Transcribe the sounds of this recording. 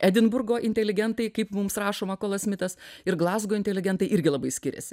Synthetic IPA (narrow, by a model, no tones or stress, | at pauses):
æd̪ʲɪnbʊɾɡoːʔɪnʲt̪ʲɛlʲɪɡʲɛnt̪ɐɪkɐɪpmʊmsrɑːʃoːmɑkoːlˠɐsmʲɪt̪ɐsɪɾɡlˠɑːzɡoːɪnʲt̪ʲɛlʲɪɡʲɛnt̪ɐɪʔɪɾʲɡʲɪlˠɐbɐɪsʲkʲɪɾʲɛ̰sʲɪ̥